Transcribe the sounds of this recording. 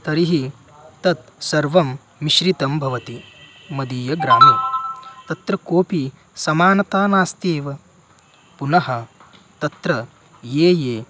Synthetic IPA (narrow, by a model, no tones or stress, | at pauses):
t̪ɐɾiɦi | t̪ɐt̪sɐɾʋɐmː | iʃɾit̪ɐmbʱɐʋɐt̪i | mɐd̪iːjɐɡɾaːmɐt̪ɐt̪ɾɐkoːpi | sɐmaːnɐt̪aːnaːst̪eːʋɐ | punɐɦɐ | t̪ɐt̪ɾɐ | jeːjeː